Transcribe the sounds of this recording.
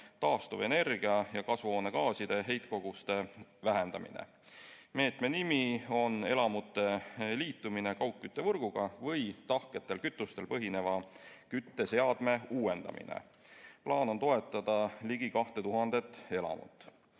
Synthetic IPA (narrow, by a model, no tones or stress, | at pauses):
t̪ɑːst̪uve̞ne̞rɡ̥iɑjɑkɑsvoːne̞ɡɑːsid̪̥e̞ɦe̞jt̪̚ko̞ɡ̥ust̪e̞væɦend̪ɑmḭnḛ | me̞ːt̪me̞nimio̞ne̞lɑmut̪ːˑe̞liːt̪ːˑumine̞kɑwkːyt̪ːe̞vɤrɡ̥uɡ̥ɑvɤjt̪ɑhke̞t̪ːˑe̞lkyt̪ːˑust̪e̞lpɤɦine̞vɑkyt̪ːe̞se̞ɑd̪̥me̞uːe̞nd̪̥ɑ̰mḭnḛ | plɑːno̞nt̪o̞e̞t̪ːˑɑd̪̥ɑliɡ̥ikɑht̪e̞t̪uɦɑnd̪̥e̞t̪ːe̞lɑ̰mṵt̪ːˑ